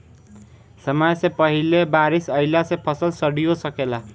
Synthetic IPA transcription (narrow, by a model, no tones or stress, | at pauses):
sʌmajsepʌɦilebaɾisʌilasepʰʌsʌlsʌɽijosʌkela